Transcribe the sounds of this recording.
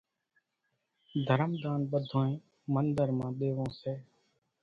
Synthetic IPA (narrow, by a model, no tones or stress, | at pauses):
d̪ʱəɾəmd̪aːnɓəd̪ʱõːẽː | mənd̪əɾmãːɗ̪eːʋõːseː